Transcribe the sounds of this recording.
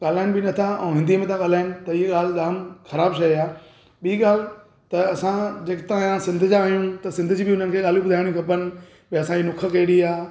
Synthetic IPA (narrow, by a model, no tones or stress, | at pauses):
ɠaːl̤aːɪñɪbɪnɐt̪ʰaɛ̃ːɦɪ̃nd̪ʱimẽt̪ʰãɠaːlaːɪnɪ̆t̪ɐieɠaːlɗaːmxɐɾaːbʃɐiaː | ɓiiɠaːl | t̪ɐɐsãd͡ʑeːkɪt̪ããsɪ̃nd̪ʱd͡ʑãːijũt̪ɐsɪ̃nd̪d͡ʑibɪʊn̤ənɪkʰeːɠaːljũbʊd̪ʱaːɪɽ̃ĩkʰɐpənɪ̆ | peɐsãinʊkʰəkɐiɽiaː